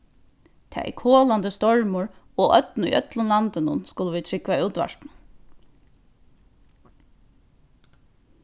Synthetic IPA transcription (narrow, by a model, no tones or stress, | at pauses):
t̪ʰɛ̰ɛ̰kʰoːland̪əst̪ɔɹmʊɹ | oːʔœt̪nʊ̰jʔœt̪lʊnlant̪ənʊ̰nskʊləʋiːt̪ʰɹɪkʋauːt̪ʋa̰ʂt̪n̩